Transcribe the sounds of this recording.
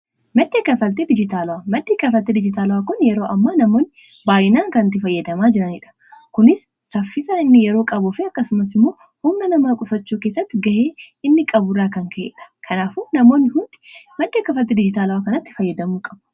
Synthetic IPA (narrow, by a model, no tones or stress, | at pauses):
mɐd̪ːeːkɐfɐlt̪ed̪ɪd͡ʒɪt̪aːlɐwamɐd̪ːeːkɐfɐlt̪eːd̪ɪd͡ʒɪt̪aːlɐwaːkʊnjɛɾo̞ːʔɐmːaːnɐmo̞ːnːɪ | baːjɪnaːŋkɐnɐt̪ːɪfɐjːɐd̪ɐmaːd͡ʒɪɾɐnɪᶑɐ̥ | kʊnɪsː | ɐfːɪsaːɪnːɪjɛɾo̞ːkʼɐbʊfɪɐkːɐsʊmɐsɪmːo̞ː | hʊmnɐnɐmaːkʼʊsɐt͡ʃːuːke̞ːs̬ːɐt̪ːɪɡɐʔeːɪnːɪkʼɐbʊrːaːkɐŋkɐʔḛːᶑɐ̥kʰɐnaːfunɐmo̞ːnːɪhʊnd̪ɪ̥mɐd̪ːeːkɐfɐlt̪eːd̪ɪd͡ʒɪt̪aːlɐwakɐnɐt̪ːɪ̥fɐjːɐd̪ɐmuːkʼɐb̥ʊ̥